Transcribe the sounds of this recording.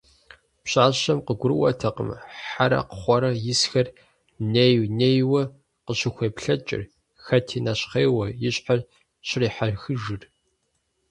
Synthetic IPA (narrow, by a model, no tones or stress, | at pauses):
pɕʼaːɕɐmqəɡʷʊɾɨwɐ̰tʰɐqə̰mħaɾɐ̰qə̥χʷɔɾɐjɪsxɐr | nejwneːjwɐ | qəɕɪxʷeːpɬɐt͡ʃʼɪ̰r | xɐtʰiːnɐɕχeːwɐjɪɕʼħar | ɕɪriːħaɮxɨʒɨr